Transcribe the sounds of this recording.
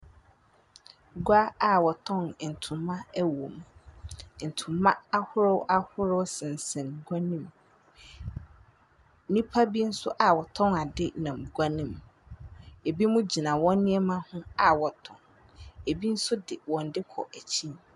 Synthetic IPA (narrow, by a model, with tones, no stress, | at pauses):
ɡʷa˦a˨wɔ˨tʰɔ̃˦˨n˨n̩˨tʰʊ̃˨mã˦wõ˨m | n̩˨tʰʊ̃˨mã˦a˦hʊ˦ɾɔ˦wʔa˦hʊ˦ɾɔ˦wsɪ̃˨n̩˨sɛ̃˨n˨ɡʷa˦nĩ˦m | nĩ˦pʰa˦bi˦n̩˦sʊ˦ʔa˨wɔ˨tʰɔ̃˦na˨dɪ˦nã˨m̩˨ɡʷa˦nĩ˦˨m | e˨bi˦mũ˦d͡ʑi˨nã˨wɔ̃˦nːɪ̃˦ɛ˦mã˦hʊ̃˦a˨wɔ˨tʰɔ̰̃˨n | e˨bi˦n̩˦sʊ˦dɪ˨wɔ̃˨n̩˨dɪ˦kʰɔ̰˨ʔæ˨t͡ɕʰĩ˦n